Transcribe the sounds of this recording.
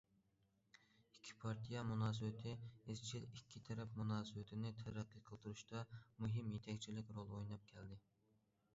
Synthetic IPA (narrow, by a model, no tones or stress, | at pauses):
ikʲʰːi̥pʰɑɾt̪ʰijɛmunɑːsɨwɪt̪ʰɪɪzt͡ʃʰilikʲʰːit̪ʰɛɾɛpmunɑːsɨwɪt̪ʰɪnɪt̪ʰɛɾɛqːɨqʰəlˠt̪uɾuʃt̪ɑmuɦɪmjet̪ʰɛkʲt͡ʃʰilɪkʲɾolˠojnɑp̚kʲʰɛld̪ɪ